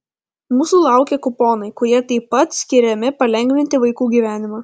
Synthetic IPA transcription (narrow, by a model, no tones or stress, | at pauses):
muːsuːlˠɑˑʊkʲeːkʊpoːnɐɪkʊɾʲiɛt̪ɐɪpːɐt̪sʲkʲɪɾʲɛmʲɪpɐlʲɛŋʲɡʲʋʲɪnʲt̪ʲɪʋɐɪkuːɡʲiːʋʲæːnʲɪmɑː